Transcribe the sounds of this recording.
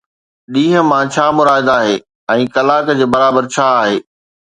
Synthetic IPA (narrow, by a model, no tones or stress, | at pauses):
ɗĩːɦə̆mãt͡ɕʰaːmʊɾaːɦɪd̪aːɦeː | ɛ̃ːkɐlaːkd͡ʑeːbɐɾaːbəɾt͡ɕʰaːɦeː